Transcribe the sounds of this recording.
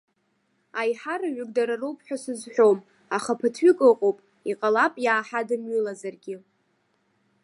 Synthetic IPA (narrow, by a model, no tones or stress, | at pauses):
ajħarɨɥʏɡʼdaɾarowpʼʰħʷᶣasɨzħʷᶣo̞m | aχapʰɨtʰɥikʼɨqʼowpʼ | iqʼalapʼjaːħadɨmɥilazarɡʲɪ